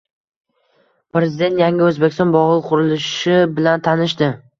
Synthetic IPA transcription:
pɾe̞zɪd̪e̞nt̪jaŋʲɪɵzbekʲɪ̥st̪ɒnbɒʁɨlˠqʰʊɾɪlɪʃɪbɪlant̪ʰanɪʃ̬t̪ɪ

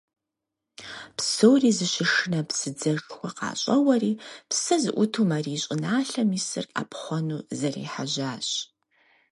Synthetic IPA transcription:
psɨwriːzɨʃɪʂɨnɐpsɨd͡zɐxwʷɐqɑ̰ːɕʼɐwɐriːpsɐzɨ̰ʔʷʊtʰuːmɐriːɕʼɪnaːɬɐmiːsɨra̰ːpχʷɔnuːzɐrḭːħaʑaːɕ

